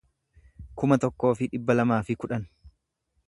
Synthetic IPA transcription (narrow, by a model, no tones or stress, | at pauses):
kʊmɐt̪ɔkːo̞ːfɪᶑɪbːɐlɐmaːfɪkʊᶑɐn